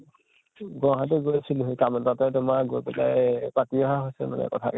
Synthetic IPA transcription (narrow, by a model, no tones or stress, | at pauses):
ɡɔ̃ɦatɛɡojsilɦkamtatɛtʊmaɡobɛla̰jpatiɔɦaɦojsɛma̰nɛ̰kɔtʰa̰kɛ